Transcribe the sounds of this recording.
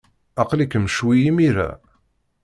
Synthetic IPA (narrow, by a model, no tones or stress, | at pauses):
ɑqlikːəmʃwijimiɾæ̰